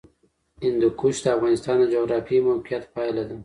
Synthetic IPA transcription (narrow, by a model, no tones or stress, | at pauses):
ɪnd̪ukuʃd̪əafɣɑnɪst̪ɑnd̪əd͡ʒoɣɾɑfimawqijat̪pɑjlad̪ə